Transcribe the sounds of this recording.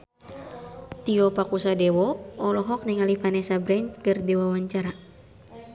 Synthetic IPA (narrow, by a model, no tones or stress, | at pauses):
t̪iɔpakusadɛwɔɔlɔɦɔk̚niŋalifanɛsabɾɛnt̪̚kɨrdɛwawaɲt͡ʃaɾa